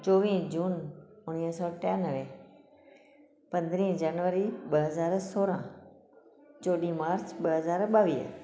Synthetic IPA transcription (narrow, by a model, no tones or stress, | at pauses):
t͡ʃoːʋĩːd͡ʒuːnʊniːɦsɔːʈjaːnəʋẽ | pɐ̃nd̪ɾĩːd͡ʒaːnʋəɾiɓəɦəzaːɾsoːɾã | t͡ʃoːɗĩmaːɾt͡ʃɓəɦəzaːɾɓaːʋiː